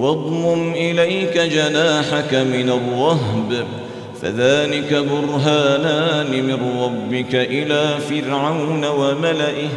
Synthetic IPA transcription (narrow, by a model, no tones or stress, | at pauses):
wɑd̪ˤmʊmʔɪlajkad͡ʒanaːħakamɪnarˤːɑɦb | fa̰ðaːlɪkabʊɾɦaːnaːnɪmɪnɾˤɑbːɪkaʔɪlaːfɪɾʕawnawamalaʔɪ